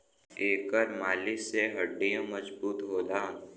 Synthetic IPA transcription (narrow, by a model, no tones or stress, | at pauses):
eːkəɾmaːlɪseɦɐɖːijõmɐd͡ʒbuːt̪ɦoːd̪aː